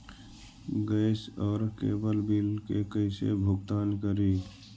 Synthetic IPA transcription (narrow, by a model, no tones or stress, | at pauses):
ɡəːsɔːɾkḛːbəlbilkekəɪsḛbʱʊɡt̪aːnkəɾi